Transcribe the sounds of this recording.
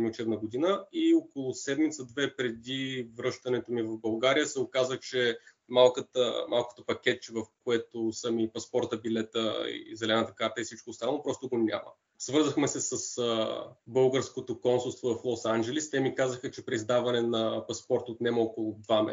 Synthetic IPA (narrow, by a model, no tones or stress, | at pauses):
miʊt͡ʃɛbnəɡod̪inəiokolˠʊsɛd̪mit̪səd̪vɛpɾɛd̪ivɾɤʃt̪ɐnɛt̪omivɐfbɐlˠɡaɾijəsɛokazəxt͡ʃɛ | malˠkət̪ə̰mʔalˠko̥t̪opɐkʲɛt̪t͡ʃɛvɐfkoɛt̪osəmipɐspɔɾt̪əbilɛt̪ə̰ḭzɛlɛnət̪əkaɾt̪əɛifsit͡ʃkoːst̪anlˠopɾɔst̪oɡonʲa̰mə̰ | svɤɾzəxmɛsɛsəsəbɤlˠɡəɾskot̪okɔnsulˠst̪vovɐflˠɔsand͡ʒɛlist̪ɛmikazəxət͡ʃɛpɾɛizd̪avɐnɛnɐpɐspɔɾt̪ot̪nɛmɐɔkolˠʊd̪vamɛ̰